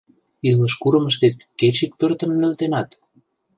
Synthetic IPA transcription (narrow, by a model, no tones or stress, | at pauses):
iləʃkuɾə̆məʃt̪et̪ket͡ɕik̚pørt̪ə̆mnø̆lt̪enɑt̪